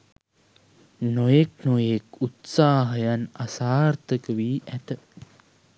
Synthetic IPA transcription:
nojeknojekut̪saːɦəjanasaːrt̪əkəʋiːʔæt̪ə

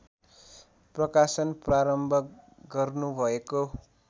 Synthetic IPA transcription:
prʌkasʌnpraɾʌmbʱʌk | ɡʌrnubʱʌeko

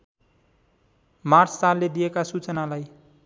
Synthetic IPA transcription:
mart͡sʰsalːed̪ijekasut͡sʌnalaj

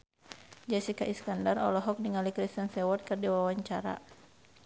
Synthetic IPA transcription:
d͡ʒɛsikaʔiskandarɔ̰lɔɦɔk̚niŋalikɾist̪ənsɛwɔt̪̚kɨrdiwawaɲt͡ʃaɾa̰

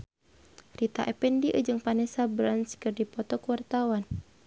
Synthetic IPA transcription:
rit̪a̰ʔɛpɛndiʔəd͡ʒɨŋpanɛsabɾanskɨrdipɔt̪ɔkəwart̪awan

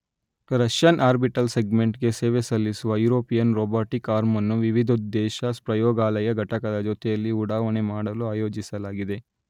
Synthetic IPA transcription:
ɾɐʃjɐnʔaːɾbiʈɐlseɡmeɳʈɡe̞seːʋesɐlːisuʋɐjuːɾoːpijɐnɾoːbaːʈikaːɾmɐnːuʋiʋid̪ʱud̪ːɛːʃɐspɾɐjɔːɡaːlɐjɐɡʱɐʈɐkɐd̪ɐd͡ʒot̪ɛjɐlːiuɽaːʋɐnemaːɽɐluaːjoːd͡ʒisɐlaːɡid̪e̞

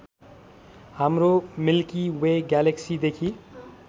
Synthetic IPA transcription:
hamɾomilkiweɡaleksid̪ekʰi

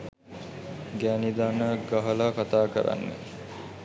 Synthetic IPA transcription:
ɡæːnid̪anəɡɐɦəlakat̪aːkə̰ɾa̰nːḛ

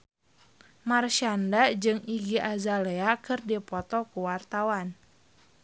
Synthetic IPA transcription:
marʃandad͡ʒɨŋiɡiʔazalɛakɨrdipɔt̪ɔkuwart̪awan

